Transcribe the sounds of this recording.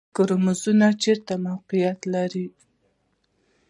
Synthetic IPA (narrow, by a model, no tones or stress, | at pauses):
kʊɾmʊzunat͡ʃeɾt̪amawqijat̪laɾi